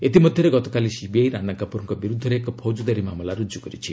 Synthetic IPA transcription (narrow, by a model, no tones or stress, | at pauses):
et̪imɔd̪ʱjɔɾeɡɔt̪ɔkalisibiajɾanakapuɾɔŋkɔbiɾud̪ʱɔɾeekɔpʰod͡ʒud̪aɾimamɔlaɾud͡ʒukɔɾit͡ʃʰi